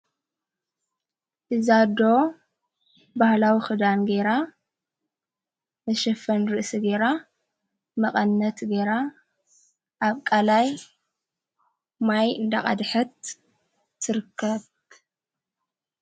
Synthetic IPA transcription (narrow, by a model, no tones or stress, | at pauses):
ʔɨzad̪o | bahlawixɨd̪anɡeɾa | mɐʃɐfɐnɾɨʔsiɡeɾa | mɐqʼɐnːɐt̪ɡeɾa | ʔaβkʼalaj | majɨnd̪a̰qʼa̰d̪ħɐt̪ːʰ | ɨɾɨkʰːɐβ